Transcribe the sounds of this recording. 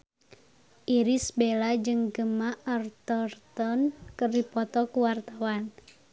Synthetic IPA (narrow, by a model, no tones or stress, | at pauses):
ʔiɾisbelad͡ʒɨŋɡəmaʔɔrt̪ɔrt̪ɔnkɨrdipɔt̪ɔkuwart̪awan